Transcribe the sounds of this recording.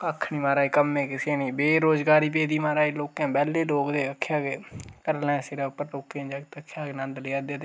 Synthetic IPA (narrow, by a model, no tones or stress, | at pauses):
əkʰːɳiːmaːɾaːiːkəmːẽːkɪseːniːbeːɾoːzɡaːɾiːp̬eːd̪iːmaːɾaːiːloːkãːbɛːleːloːkd̪eːəkʰːjaːɡekəɾlɛ̃ːsɪɾaːʊpːəɾɾoːkːãːd͡ʒakt̪əkʰːjaːɡenə̃nd̪lɪaːd̪eːd̪eː